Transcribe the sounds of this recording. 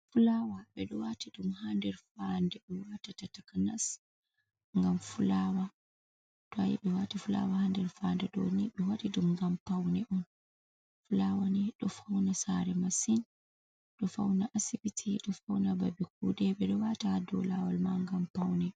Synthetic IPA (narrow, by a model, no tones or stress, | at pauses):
fulawaɓɛɗɔwatiɗumhandɛɾfandɛɗɛwatatatakanas | ŋɡamfulawa | tɔa̰jiɓɛwatifula̰wahandɛɾfandɛɗɔ̰niɓɛwadiɗumŋɡampawnɛʔɔn | fulawaniɗɔfawnasaɾɛmasin | ɗɔfa̰wnaʔasibitʰiɗɔfawnababik̚udɛɓɛɗɔwatadɔ̰lawalmaŋɡampawnɛ